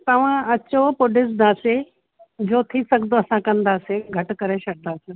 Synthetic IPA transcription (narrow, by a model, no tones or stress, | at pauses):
t̪ɐʋ̤ãɐt͡ɕopʊɖɪs̬d̪aːse | d͡ʑoːt̪ʰisɐɡʱnd̪oɐsãkɐ̃nd̪aːsẽɡʱɐʈkɐɾeʃɐɽ̚nd̪aːsɪ